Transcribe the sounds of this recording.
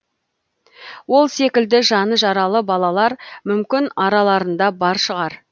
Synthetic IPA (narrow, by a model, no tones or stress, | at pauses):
wo̞lˠse̞kʲɪld̪ɪʒɑnəʒɑɾɑlˠəbɑlˠɑlˠɑɾmʏmkʲɪnɑɾɑlˠɑɾənd̪ɑbɑɾʃəʁɑɾ